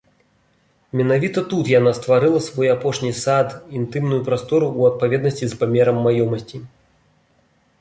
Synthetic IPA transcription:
mʲɛnavʲit̪ɐt̪ut̪jan̪ast̪vaɾɨlˠɐsvɔjapɔʂnʲisad̪int̪ɨmnujupɾast̪ɔɾuːɐt̪̚pavʲɛd̪nɐsʲt͡sʲispamʲɛɾɐmːajɔmɐsʲt͡sʲi

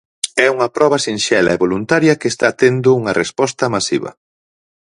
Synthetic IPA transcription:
ɛuŋɐpɾɔβɐsinʃɛlɐ̰eβolunt̪aɾjɐkeːst̪at̪end̪ʊuŋɐrespɔst̪ɐmasiβɐ̰

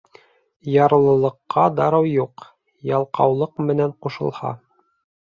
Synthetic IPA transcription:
jɑɾɤ̆lˠɤ̆lˠɤ̆qːɑd̪ɑɾɤwjuq | jɑlˠqɑwlˠɤqmɘ̆næɴquʃɤ̆lˠhɑ̰

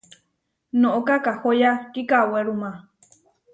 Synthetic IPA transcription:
nõʔokakahojakikaweɾumã

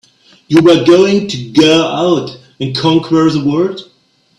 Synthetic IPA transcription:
juwə˞ɡoʊɪ̃ŋtʰuɡoʊaʊt | ɨ̃nkʰɔ̃ŋkʰə˞ðəwɜ˞d̥

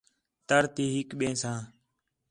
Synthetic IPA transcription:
t̪əɾt̪iːɦɪkɓẽːsãː

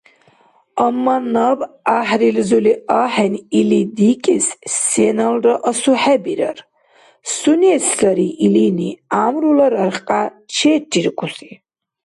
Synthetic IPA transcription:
ɐmːanab | aħɾilzuliaːħɛnilid̪ikʼɛsːɛnalrɔʔɔsuħɛbiɾɐr | suniɛslaɾiʔiliniaːmɾulaɾaɾχqʼat͡ʃʰɛːtʰːiɾkʼusi

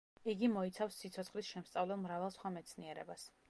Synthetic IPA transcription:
iɡimɔit̪sʰafsːit̪sʰɔt̪sʰχlisʃɛmst̪sʼavlɛmɾavɛlˠsχwamɛt̪sʰniɛɾɛ̰bas

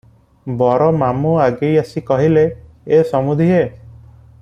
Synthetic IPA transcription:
bɔɾɔmamuaɡejasikɔɦile | esɔmud̪ʱiɦe

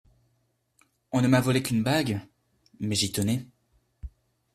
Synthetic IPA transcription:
ɔ̃nəmavɔlekynbaɡ | mɛʒit̪ɔnɛ

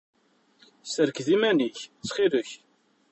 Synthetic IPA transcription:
səɾkðimæniçt͡sːχiðəç

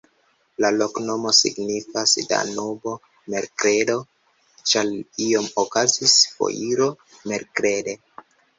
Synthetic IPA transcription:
lalo̞kno̞mosḭɡnifasda̰nubo̞ | me̞ɾkɾe̞do̞ | t͡ʃalio̞mokazisfo̰jʔiɾo̞ | me̞ɾkɾe̞de̞

